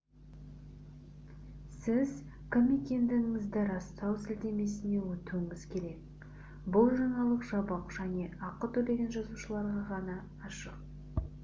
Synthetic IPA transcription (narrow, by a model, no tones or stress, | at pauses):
sɪz | kʲʰɪme̞kʲe̞nd̪ɪɡɪŋɪzd̪ɪɾɑst̪ɑwsɪld̪e̞me̞sɪne̞wɵt̪uɪŋɪzkʲʰe̞ɾe̞k̚ | bʊlˠʒɑɴɑlˠəqʒɑbɑqʒ̥æne̞ɑqət̪ɵb̪e̞ɡʲe̞nʒɑzuʃəlˠɑɾʁɑʁɑnɑː | ʃəq̚